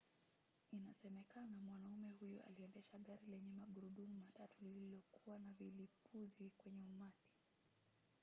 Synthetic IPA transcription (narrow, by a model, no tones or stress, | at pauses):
inasɛmɛkanamwanaumɛhujuʔa̰liɛndɛʃaɠaɾilɛɲɛmaɠuɾuɗumumatatulililɔkuwanavilipuzikwɛɲɛumati̥